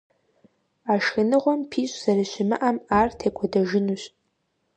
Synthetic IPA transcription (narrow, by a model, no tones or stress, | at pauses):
aʃxɐnɨʁʷɔmpʰiːɕʼz̥ɐraʃʷɪmɨ̰ʔamaːrtʰeːkʷʰɔdɐʒɪnuɕʼ